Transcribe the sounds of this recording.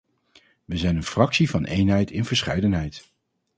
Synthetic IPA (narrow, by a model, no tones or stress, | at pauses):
ʋəzɛjnənfrɑksivɑnʔḛjnɦɛjtʰɪnvəɹsχɛjdənɦɛjt